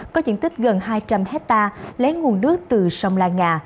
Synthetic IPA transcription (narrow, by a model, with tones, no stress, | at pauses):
kɔ˨˦zɨ̰˧˨ənt̪ï˦˥k̟̚ɣə˨˩nɦaː˧jt͡ɕa˧mhɛ˦˥t̚t̪aː˧le˨˦ŋu˨˩ənɗɨ˦˥ək̚t̪ɨ˨˩sə˧wŋ͡mlaː˧ŋŋaː˨˩